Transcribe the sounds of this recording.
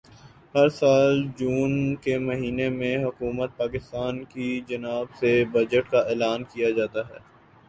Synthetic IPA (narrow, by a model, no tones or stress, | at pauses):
hɐɾsaːld͡ʒuːnkemɐɦiːnemẽɦʊkuːmət̪̚paːkɪst̪aːnkid͡ʒɐnaːbsebɐd͡ʒəʈkaɛːlaːnkijad͡ʒaːt̪aɦɛː